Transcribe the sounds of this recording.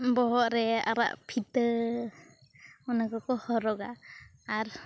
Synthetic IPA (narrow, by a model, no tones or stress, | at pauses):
bɔɦɔʔɾɛa̰ɾa̰ʔpʰit̪ə | ɔnaɡɔkɔhɔɾɔɡaː | ɾ